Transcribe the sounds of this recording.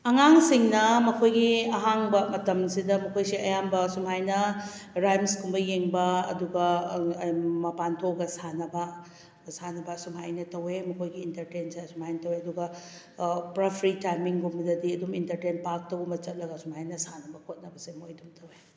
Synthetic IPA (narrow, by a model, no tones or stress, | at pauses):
ɐŋaŋsiŋnɐmɐkʰojɡiɐɦaŋbɐmɐtɐmsidɐmɐkʰojsiɐjambɐsumɦajnɐɾajmskumbɐjeŋbɐɐduɡɐ | mɐpantʰoɡɐsanɐbɐ | sanɐbɐsumɦajnɐtɐwemɐkʰojɡiːntɐɾtensesumhajnɐtɐweɐduɡɐ | pɾɐpʰɾitajmiŋɡumbɐdɐdiɐdumintɐɾtenpak̚tɐwmɐt͡ʃɐt̚lɐɡɐsumhajnɐsanɐbɐkʰot̚nɐbɐsemojdumtʰɐwe